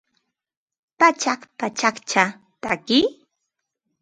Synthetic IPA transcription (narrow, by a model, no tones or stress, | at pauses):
pat͡ʃaχpat͡ʃakt͡ʃa | t̪a̰kɪ